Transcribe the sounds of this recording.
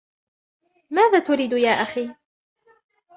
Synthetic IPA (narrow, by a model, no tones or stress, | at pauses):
maːðaːt̪ʊɾiːd̪jaːʔaxiː